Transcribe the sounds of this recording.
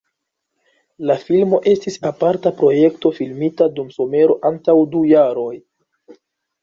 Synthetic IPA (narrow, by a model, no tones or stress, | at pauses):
lafilmo̞ʔe̞stisapaɾtapɾo̞je̞kto̞filmitadumso̞me̞ɾo̞ʔantawdujaɾo̞j